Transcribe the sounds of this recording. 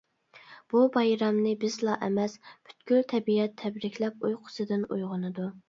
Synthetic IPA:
b̥ubɑjɾɑmnɨbɪzlˠɑʔɛmɛspʰy̥t̪kʲylt̪ʰɛbiɛt̪ʰːɛbɾɪkʲʰlɛpujqʰʊ̥sɨd̪ɨnujʁʊnɨd̪u

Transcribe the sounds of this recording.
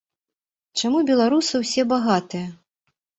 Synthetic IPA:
t͡ʂamubʲɛlˠaɾusɨwsʲɛbaɣat̪ɨjɐ

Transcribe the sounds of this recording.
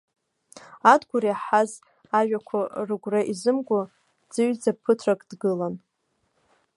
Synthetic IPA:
adɡʷʊɾiaħaz | aʒᶣakʷʰarɨɡʷraʔizɨmɡʷʊ | d͡zɨɥd͡zapʰɨtʰrakʼd̥ɡɨlan

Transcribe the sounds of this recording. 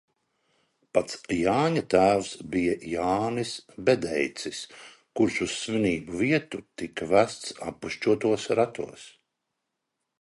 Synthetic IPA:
pat̪sjaːɲat̪æːwsbijajaːnisbɛd̪ɛjt̪sis | kuɾsusːviniːbuviɛt̪ut̪ikvæst̪sa̰pːuʃt͡ʃuɔt̪uɔsɾat̪uɔs

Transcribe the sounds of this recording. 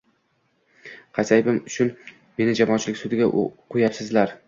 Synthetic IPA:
qʰɑjsajbɪmʊt͡ʃʰʊn | me̞nɪd͡ʒamɒɒːnt͡ʃʰɪlɪkʲsʊd̪ɪɡʲa̰qʰʊjapsɪzlaɾ

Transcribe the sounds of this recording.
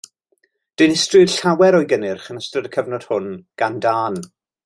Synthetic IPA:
d̥ɪnɪstrɪ̥ɬawɛɾɔjɡənɪrχənəstrədəkʰəvnɔd̥hʊnɡ̥andaːn

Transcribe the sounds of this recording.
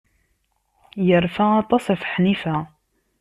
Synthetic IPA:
jəɾfæɑt̪ˤɑsæfħnifæ

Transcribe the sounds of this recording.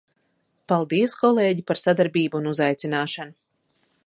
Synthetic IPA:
palˠd̪iɛskɔlˠeːɟipaɾsad̪aɾbiːbuːnuzajt̪sinaːʃanu

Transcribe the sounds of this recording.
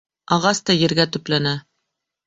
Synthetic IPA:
ɑʁɑst̪ɒjɘ̆ɾɡæt̪ɵ̆plænæ

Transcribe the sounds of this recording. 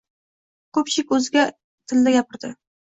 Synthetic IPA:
qɵpʃɪkʲɵzɪɡʲa | t̪ʰɪld̪aɡʲapɪɾd̪ɪ

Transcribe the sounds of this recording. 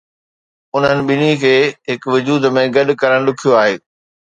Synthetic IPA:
ʊn̤ənɪ̆ɓɪnikʰeːɦɪkʋʊd͡ʑuːd̪mẽɡɐɗʊ̆kɐɾəɽ̃lʊkʰijoaːɦeː

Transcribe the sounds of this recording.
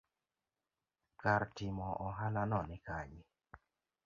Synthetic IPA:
kartɪmɔʔɔɦananɔnɪkaɲɪ

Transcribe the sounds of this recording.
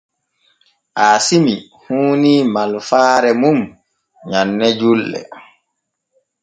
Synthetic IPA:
ʔaːsimi | huːniːmalfaːɾɛmum | ɲanːɛd͡ʒulːɛ̰

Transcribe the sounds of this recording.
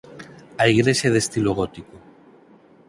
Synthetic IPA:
aiɣɾeʃeðest̪iloɣ̞ot̪iko

